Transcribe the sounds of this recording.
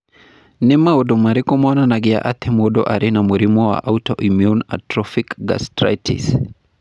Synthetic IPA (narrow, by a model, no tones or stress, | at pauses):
nimaudɔmaɾikɔmɔnanaɡia̰ʔat̪ʰɛmɔdɔ̰ʔaɾinamuɾimɔwa̰ʔautɔʔimjuna̰tɾɔfikɡa̰stɾa̰jtʰḭs